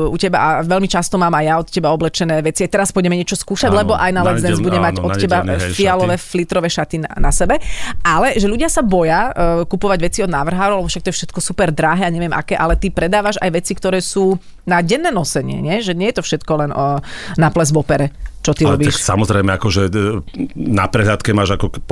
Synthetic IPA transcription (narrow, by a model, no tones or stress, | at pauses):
ucɛba̰aʋɛʎmit͡ʃast̪ɔmaːmajaɔt̪cɛbaɔblɛt͡ʃɛnɛːʋɛt͡siajt̪ɛɾaspɔɟɛmɛɲɪɛt͡ʃɔskuːʃaɟlɛbɔʔajnalɛzɛnzbuɟɛmaɟɔt̪cːɛbafialɔʋɛːflit̪ɾɔʋɛːʃat̪inanasɛbɛʔalɛʒɛʎuɟɪasabɔjakupɔʋaɟʋɛt͡siɔd̪naːʋr̩ɦaːɾɔʊlɛbɔfʃak̚t̪ɔjɛfʃɛt̪kɔsupɛɾd̪ɾaɦɛːaɲɛʋɪɛmʔa̰kɛːʔalɛt̪ipɾɛd̪aːʋaʒa̰jʋɛt͡sikt̪ɔɾɛːsuː | naɟɛnːɛːnɔsɛɲɪɛ̰ɲɛʒɛɲɪɛjɛt̪ɔfʃɛt̪kɔlɛnnaplɛzʋɔpɛɾɛt͡ʃɔt̪iɾɔbiːʃksa̰mɔzɾɛɪmɛakɔʒɛ | na̰pɾɛɦʎat̪kɛmaːʒakɔp